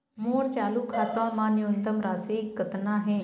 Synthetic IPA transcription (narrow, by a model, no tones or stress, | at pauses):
moːɾt͡ʃaːluːkʰaːt̪ãːmãːnɪont̪əmɾaːsiːkːət̪naːɦẽː